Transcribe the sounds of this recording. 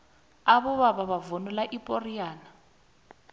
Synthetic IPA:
aβɔβaβaβavonulaʔipʼoriaːna

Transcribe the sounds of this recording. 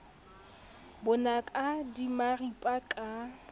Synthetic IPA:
bʊnakʼadimaripʼakʼa

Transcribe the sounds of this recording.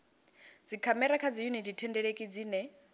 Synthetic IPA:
d͡zikʰamɛɾakʰad͡zijuniditʰɛndɛɺekʼid͡ziːnɛ

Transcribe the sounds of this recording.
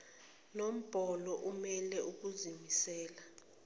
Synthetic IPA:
nom̩b̥ʱɔlɔʔumɛlɛuk̬uzimisɛːla

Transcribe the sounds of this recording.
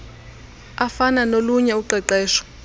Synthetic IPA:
afananoluɲɛuǃɛǃɛːʃɔ̥

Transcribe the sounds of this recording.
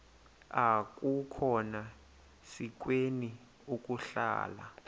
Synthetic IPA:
ak̬ʼukʰɔna | sik̬weni | ukʼuɬa̰ːla̰

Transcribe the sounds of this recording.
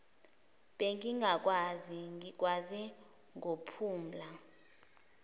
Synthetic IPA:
ɓɛŋiŋɡʱak̬ʼwaziŋik̬ʼwazɛ | ŋopʰuːm̩la

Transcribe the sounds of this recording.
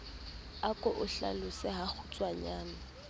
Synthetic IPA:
akʼɔʔʊɬa̰lʊsɪɦak͡xʰʊt͡sʼwaɲaːna

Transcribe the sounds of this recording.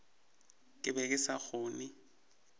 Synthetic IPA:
kʼɪbɛkʼɪsaɣʊːnɪ

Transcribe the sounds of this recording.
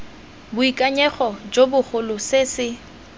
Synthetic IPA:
bʊikʼaɲɛχɔd͡ʒobʊχʊlʊsesɪ

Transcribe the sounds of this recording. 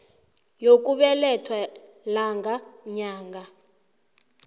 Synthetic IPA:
jok̬ʼuɓɛlɛtʰwa | laŋɡaɲaːŋɡʱa

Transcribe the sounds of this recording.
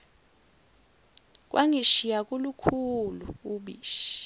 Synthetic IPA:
k̬ʼwʔaŋiʃijak̬ʼulukʰuluuɓiːʃi̥

